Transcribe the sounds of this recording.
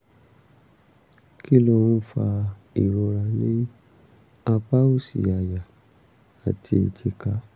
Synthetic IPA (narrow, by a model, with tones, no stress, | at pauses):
ki˦lo˧˨wũ˦fa˧ | ḭ˨ɾɔ˧ɾa˧le˦ | a˧pa˦u˦˨sḭ˨a˨ja˨ | a˨tʰi˧i˨d͡ʒe˧ka˧˦